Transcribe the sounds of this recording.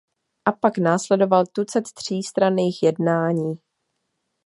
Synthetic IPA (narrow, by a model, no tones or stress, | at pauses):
ʔapaknaːslɛdo̞valt̪ut͡sɛt̪t̪r̝̥iːst̪ɾaniːxjɛdnaːɲiː